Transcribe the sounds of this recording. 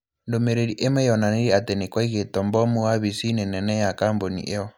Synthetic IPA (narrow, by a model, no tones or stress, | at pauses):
ndomeɾeɾiʔemɛjɔnaneɾiatɛnɛkwaiɣetɔmbɔmuwaβisinɛnɛnɛjakambonḭʔeɔ